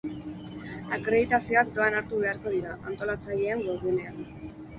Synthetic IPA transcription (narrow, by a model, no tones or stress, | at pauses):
akɾe̞ðit̪asio̞akd̪o̞anaɾt̪uβe̞aɾko̞ðiɾaʔant̪o̞lat͡saʎe̞aŋɡo̞ɣune̞an